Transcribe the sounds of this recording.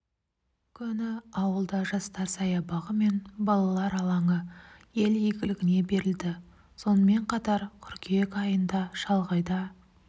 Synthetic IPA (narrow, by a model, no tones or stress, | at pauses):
kʲʰʏnɪɑwəlˠd̪ɑʒɑst̪ɑɾsɑjɑbɑʁəme̞nbɑlˠɑlˠɑɾɑlˠɑɴəje̞ljeɡʲɪɪɡʲɪne̞be̞ɾɪld̪ɪ | so̞nəme̞ɴqʰɑt̪ɑɾkʲʰʏɾkʲeekɑjənd̪ɑʃɑlˠʁɑjd̪ɑ